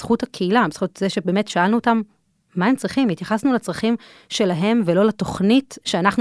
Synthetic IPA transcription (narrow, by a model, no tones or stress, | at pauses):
sχuthakʰeilabesχutzeʃebe̞ːme̞tʃaalnuotamː | ae̞mt͡sʁiχimit̪jaχasnulat͡sʁaχim | ʃe̞laɦe̞mvelo̞lato̞χnitʃeanaχnu